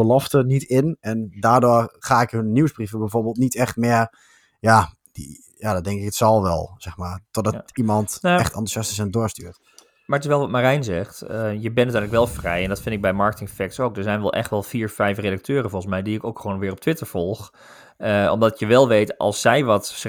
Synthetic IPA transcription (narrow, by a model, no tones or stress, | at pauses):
bəlɔftənitʰɪnɛndaːdoːərχaːɪkhønːiwsbrivəbɛjvoːɹbeːlˠtnitɛxtmɪər | ja | d̥ḭ | jadɔdɛŋkɪkətsɑlˠʋɛ̰lˠsɛxmaɹtɔdɔimɑntɛxtɑntusjɑstɪsɛndoəstyːrt | maətɪsʋɛlˠʋɔtmarɛjnzɛxtjəbɛnːətyːləkʋɛlˠfrɛjɛndɔtfɪndɪɡ̚bɛjmɑɹkətɪŋfɛk̚tsowk̚dəɹzɛjnʋɛlˠʔɛ̰xtʋɛlˠfiːɹfɛjfredak̚tʰøːɾəfoən̩smɛjdiɪkowkxʋoːnʋɪːrɔptʰʋɪtəɹfɔlˠx | ɔ̰mdɔtjəʋɛlˠʋejtʔɑ̰lˠsːɛjʋɔt